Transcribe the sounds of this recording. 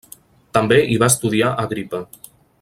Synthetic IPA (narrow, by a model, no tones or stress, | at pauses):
t̪əmbeʔiβ̞aəst̪uðiaʔəɣɾipə